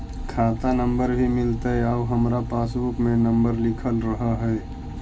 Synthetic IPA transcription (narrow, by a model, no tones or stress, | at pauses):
kʰaːt̪anə̃mbəɾbʱimɪlt̪aɦɛaɦəmɾapaːsbʊkmẽnɐ̃mbəɾlɪkʰəlɾəɦaɦɛː